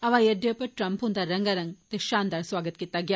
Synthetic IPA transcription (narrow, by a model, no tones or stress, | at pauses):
ɐʋaːjeɖepɐʈɾɐmpɦund̪aɾɐŋɡɐɾɐŋɡt̪eʃaːnd̪aːɾsʋaːɡɐt̪kit̪ːaɡjaː